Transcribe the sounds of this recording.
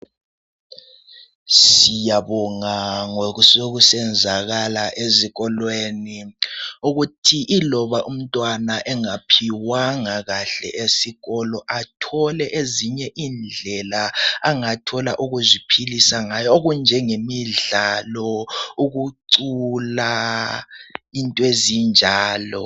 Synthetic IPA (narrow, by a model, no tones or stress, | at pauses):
sijaβɔŋaŋoɣusoɣusɛnd͡zʱaɣalaʔeziɣɔlweniuɣutʰiʔilɔβaʔum̩tʼwanaʔɛŋapʰiwaŋaɣaɬɛ̰ʔesiɣɔlɔʔatʰɔlɛʔeziɲɛʔind͡ɮʱɛlaaŋatʰɔla̰ʔuɣuzipʰilisaŋajɔoɣund͡ʒʱɛŋemiɮalɔuɣuǀula | intʼwezind͡ʒʱaːlɔ̰